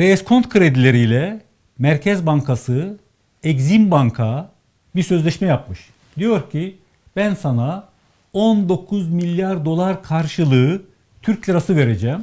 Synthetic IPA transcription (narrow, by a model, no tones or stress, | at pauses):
veːskʰo̞nt̪kʰɯɾed̪ilʲe̞ɾijlʲɛ | mæɾcʰɛzbaŋkʰasɯ | ɛɟzimbaŋkʰa | biɾsø̞zlʲɛʃmɛjap̚mɯʃ | d̪ijo̞ɾcʰi | b̥ænsana | o̞nd̪o̞kʰuzmilʲjaɾd̪o̞lˠaɾkʰaɾʃɯlˠɯɯ | t̪ʰyɾc̚ʲlʲɛɾasɯve̞ɾed͡ʒɛːm